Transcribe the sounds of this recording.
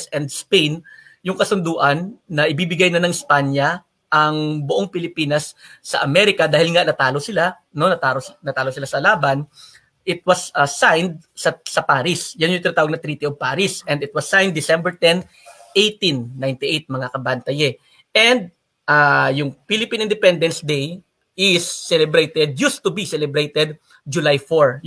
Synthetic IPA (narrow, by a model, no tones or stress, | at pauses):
sɛnd̪spejn | jʊŋkɐsʊnd̪uːʔɐnːɐʔɪbiːbɪɡajnɐnɐŋɪspaɲjɐ | ʔɐŋbʊʔoŋpɪlɪpiːnɐsːɐʔɐmɛɾɪkɐd̪aːhɪlŋaʔnɐt̪aːlosɪla | no̞nɐt̪aːlonɐt̪aːlosɪlasɐlaːbɐn | ʔɪt̪̚wɐsʔɐsːajnd̪̚sɐsɐpaːɾɪsjɐnjʊ̃ŋt̪ɪnat̪aːwɐɡ̚nɐt̪ɾiːt̪iovpaːɾɪsʔɛ̃nd̪ɪt̪̚wɐsːajnd̪ːɪsɛmbɛɹt̪ɛn | ʔejt̪ĩnːajnt̪ɪʔejt̪̚mɐŋakɐbant̪ɐjɛ | ʔɛnd̪̚ | ʔaːjʊŋpilɪpĩnɪnd̪ɪpɛnd̪ɛnsd̪ej | ɪsːɛlɛbɾejt̪ɛd̪̚just̪ʊbisɛlɛbɾejt̪ɛd̪̚ | d͡ʒʊlajfoɹ